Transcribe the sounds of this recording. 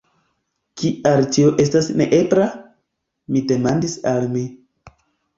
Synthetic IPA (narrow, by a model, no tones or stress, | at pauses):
kiaɾt͡ʃioʔe̞stasne̞̰ʔepɾa | mide̞mandisalmi